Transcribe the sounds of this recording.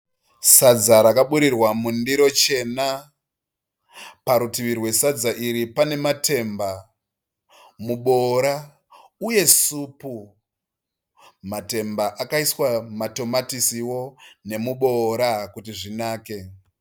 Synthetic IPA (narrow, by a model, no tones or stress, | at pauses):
sad͡zaɾakaɓuɾirwamundiɾo̞t͡ʃe̞na | paɾutiʋirwe̞sad͡zaʔiɾipane̞mate̞mba | muɓo̞ɾa | uje̞supu | mate̞mbaʔakaiswamato̞matisiwo̞ne̞muɓo̞ɾakutiʐinaːke̞